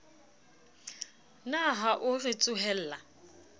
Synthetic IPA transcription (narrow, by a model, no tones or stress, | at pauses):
naɦaʔʊrɪt͡sʼʊɦɛl̩ːla